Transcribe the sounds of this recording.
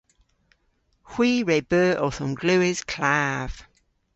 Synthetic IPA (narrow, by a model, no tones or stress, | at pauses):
hw̥iːɹɛb̥əːʔɔθɔmɡlʉːɪz̥kʰl̥aːv̥